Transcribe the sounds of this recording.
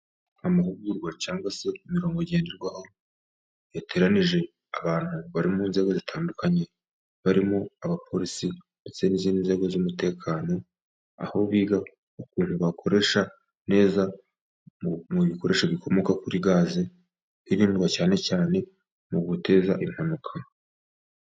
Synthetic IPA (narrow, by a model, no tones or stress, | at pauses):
amaɦuɡuɾɡwacaːŋɡwase̞imiɾo̞ːŋɡoɟe̞ːndeɾɡwaho̞ | jatʰe̞ɾaniʒe̞ | aβaːn̥huβaɾimunze̞ːɡo̞zitʰaːndukaɲe̞ | βaɾimoaβapʰo̞ɾisi | nde̞t͡se̞niːziːndinze̞ɡo̞zumute̞ːkʰaːno̞ | a̰ho̞βiːɡa | ukuːn̥huβakʰo̞ɾe̞ʃa | ne̞ːza | muβiko̞ɾe̞ʃoβikʰo̞mo̞kakuɾiɡaːze | kiɾiːndɡwacaːne̞caːne̞ | muɡute̞ːzaʔim̥hanukʰa